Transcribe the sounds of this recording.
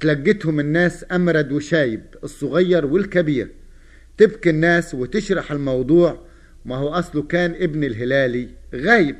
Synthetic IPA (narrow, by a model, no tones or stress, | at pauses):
t̪laɡːɪt̪hʊmɪnːaːsʔamɾˤɑd̪wɪʃaːjɪbɨsˤːʊɣɑjːɑɾˤwɪlkabiːɾ | t̪ɪbkinːaːswɪt̪ɪʃɾˤɑħɪlmɑwd̪ˤuːʕ | mahʊwʔɑsˤlʊkaːnʔɪbnilɦɪlaːliɣaːjɪb̚